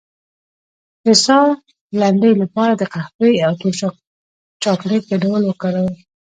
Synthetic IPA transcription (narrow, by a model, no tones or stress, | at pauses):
pɪsɑ | laɳɖəjlapɑɾad̪əqaxpəjawt̪o | t͡ʃɑkleɡaɖawəlwəkaɽaw